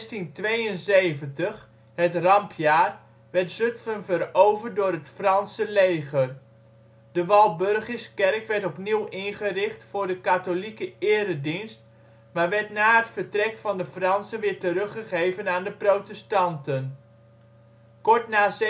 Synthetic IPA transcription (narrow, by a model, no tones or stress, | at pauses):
stintʋejənsejvəntəχ | hətrɑmpʰjaːr | ʋɛɹtsøtfənvərowvərt̚dʊːrɦətfrɑnsəlejχər | d̥əʋɑlˠbørχəskɛrkʋɛɹtɔpniwɪnχərɪχtfʊːɹdəkatolikəɪːəɾədinst̚ | maːʋɛɹtnaːətfərtrɛkfɑndəfrɑnsənʋɪːɹtərɵχəχejvənaːndəprotɛstɑntən | kɔɹtnaːs